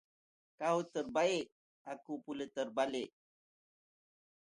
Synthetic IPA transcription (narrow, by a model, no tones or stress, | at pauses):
kaɦut̪əɾbaeʔ | akupulət̪əɾbaleʔ